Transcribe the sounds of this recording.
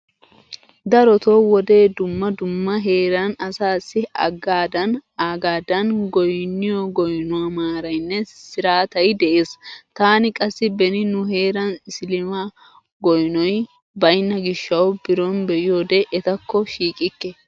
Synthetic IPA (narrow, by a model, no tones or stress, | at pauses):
d̪ɐɾɔt̪oːwɔd̪e̞ːd̪ʊmːɐd̪ʊmːɐɦe̞ːɾɐnɐsaːsːɪɐ̰ɡaːd̪ɐnaːɡaːd̪ɐnɡɔjnːɪjɔɡɔjnʊamaːɾɐjnːɛsɪɾaːt̪ɐjd̪ɛʔeːst̪aːnɪkʼɐsːɪbɛnɪnʊɦe̞ːɾɐnsɪlɪmaː | ɡɔjnɔj | bɐjnːɐɡɪʃːɐwbɪɾɔnbɛʔɪjo̞ːd̪ɛʔɛt̪ɐkːɔʃiːkʼɪkːɛ